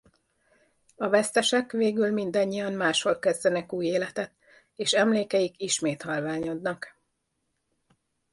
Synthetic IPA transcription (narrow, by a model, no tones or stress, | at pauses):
ɒvɛst̪ɛʃɛkʋeːɡylmind̪ɒɲːijɒmmaːʃho̞lkɛzd̪ɛnɛkuːjeːlɛt̪ɛt̪ | eːʃɛmleːkɛjikiʃmeːt̪hɒlvaːɲo̞d̪nɒk